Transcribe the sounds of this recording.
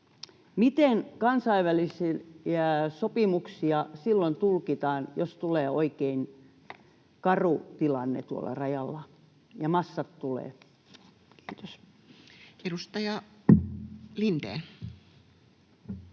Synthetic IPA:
mit̪enkɑnsɑiʋʋælisiæsopimuksiɑsilːont̪ulkit̪ɑːnjost̪uleːoikein | kɑrut̪ilɑnːḛt̪uo̰lːɑ̰rɑjɑlːɑ | jɑmɑsːɑt̪t̪ulḛː | ki̥ːt̪os | edust̪ɑjɑ | lint̪ḛː

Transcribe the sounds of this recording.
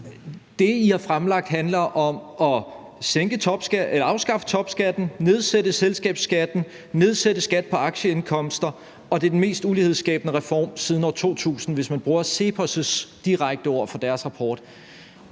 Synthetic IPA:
d̥e̝ihɑ̈fʁamlɑ̈ɡ̥̚d̥ɦænlɐʔɒ̽mɒ̽ | seŋɡ̥ət͡sʰɒ̽b̥sɡ̥elɐɑ̈ʊsɡ̥ɑ̈fə̥t͡sʰɒ̽b̥sɡ̥æd̥n̩ne̝ð̞ˠsed̥əselsɡ̥ɛ̰ːb̥sɡ̥æd̥n̩ | ne̝ð̞ˠsed̥əsɡ̥æd̥̚pʰɒ̽ɑ̈ɡ̥ɕəe̝nkʰɒ̽m̰sd̥ɐ | ɒ̽d̥e̝ɐd̥enme̝̰ːsd̥ulihe̝ð̞ˠsɡ̥ɛ̰ːb̥ənəʁɛfɒ̰ːmsiːðˠn̩ɒt͡sʰo̝̰ːt͡sʰṵːsn̩ʋe̝smænb̥ʁuːɐse̝pʰɒ̽səsd̥iʁaɡ̥̚d̥əɒ̝ɐ̰fɒ̽d̥æɐsʁɑ̈pʰɒːd̥

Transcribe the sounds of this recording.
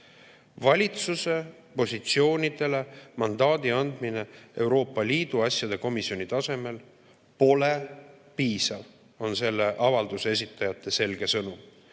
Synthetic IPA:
vɑlʲit̪suse̞ | po̞sʲit̪sio̞ːnʲid̪̥e̞le̞mɑnd̪̥ɑːd̪̥iɑnd̪̥mine̞e̞wɾo̞ːpːˑɑliːd̪̥uɑsʲjɑd̪̥e̞ko̞misio̞nit̪ɑse̞me̞l | po̞le̞ | piːsɑv | o̞nse̞lːe̞ʔɑvɑld̪̥use̞s̬ʲit̪ːˑɑjɑt̪ˑːe̞se̞lɡ̥e̞sɤnu

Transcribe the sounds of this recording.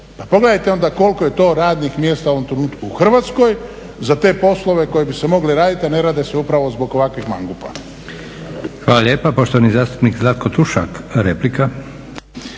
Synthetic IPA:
papo̞ɡle̞d̪ajt̪eo̞nd̪ako̞lˠko̞je̞t̪o̞ːɾaːd̪nixmje̞ːst̪aoʋo̞mt̪ɾe̞nuːt̪kuuxr̩ʋaːt̪sko̞j | zat̪e̞po̞slˠo̞ʋe̞ko̞je̞bise̞mo̞ɡliɾaːd̪it̪iane̞ɾad̪eseupɾaʋo̞zbo̞ɡoʋakʋixma̰ŋɡupa̰ | xʋaːlaʎjeːpapoʃt̪oʋanizaːst̪u̥pnikzlˠat̪̚kot̪uʃa̰kɾeplika

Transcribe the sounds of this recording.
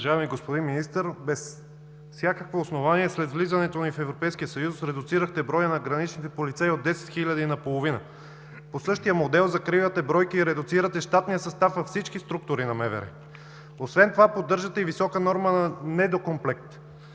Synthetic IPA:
ʒavɛmiɡospod̪inminist̪əɾbɛs | sʲjakəkvoːsnovaniɛslɛt̪vlizɐnɛt̪onifɛvɾopɛjsk̟ijəsɐjusɾɛd̪ʊt̪siɾəxt̪ɛbɾɔjənɐɡɾɐnit͡ʃnit̪ɛpolit̪saiod̪ːɛsɛ̥t̪xilʲɐd̪inɐpolˠovinə | posɤʃt̪ijəmod̪ɛlˠzɐkɾivət̪ɛbɾɔjkiːɾɛd̪ʊt̪siɾət̪ɛʃt̪at̪nijəsɐst̪afvɐfsit͡ʃkist̪ɾuk̚t̪ʊɾinɐmɛvɛ̰ɾɛ̰ | osvɛnt̪ovapod̪ːɤɾʒət̪ɛivisɔkənɔɾmənɐnɛd̪okomplɛk̚t̪

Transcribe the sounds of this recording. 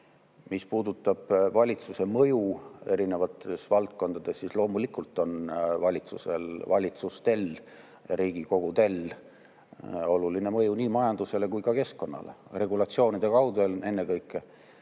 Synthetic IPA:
mispuːd̪ut̪ːˑɑb̥vɑlʲit̪suse̞mɤjue̞ɾine̞vɑt̪ːe̞svɑlt̪̚ko̞nd̪̥ɑd̪̥e̞sːislo̞ːmulikˑult̪ːˑo̞nvɑlʲit̪suse̞lvɑlʲit̪sust̪e̞l | ɾiːɡ̥iko̞ɡ̥ut̪e̞l | o̞luline̞mɤjuniːmɑjɑnd̪̥use̞le̞kujkɑke̞skko̞nːɑ̰le̞̰re̞ɡ̥ulɑt̪sio̞ːnid̪̥e̞kɑwd̪ele̞nːe̞kɤjkːˑe

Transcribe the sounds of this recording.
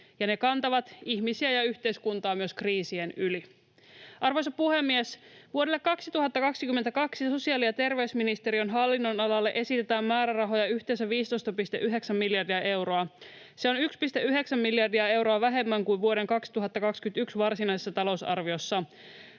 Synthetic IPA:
jɑne̞kɑnt̪ɑʋɑt̪içmisiæjɑyçt̪e̞jskunt̪ɑːmyø̞skriːsienyli | ʔɑrʋo̞jsɑpuhe̞mːiesʋuodelːekːɑksit̪uɦɑt̪ːɑkɑksikymːent̪ækɑksiso̞siɑːlijɑt̪e̞rʋe̞ysminist̪e̞ɾionɦɑlːinːo̞nɑlɑlːe̞ʔe̞sit̪et̪æːmːæːɾærɑɦo̞jɑyçt̪e̞ns̬æʋiːst̪o̞jst̪ɑpist̪e̞̰ʔyɦe̞ksæmːiljɑrdiɑʔe̞wɾo̞ɑ | se̞o̞nykspist̪eʔyɦe̞ksæmːiljɑrdiɑe̞wɾo̞ɑʋæɦe̞mːæŋkuʋʋuoɾe̞ŋkɑksi̥t̪uɦɑt̪ːɑkɑkskyynt̪yksʋɑrsinɑisesːɑt̪ɑlo̞wsɑ̰rʋio̞sːɑ

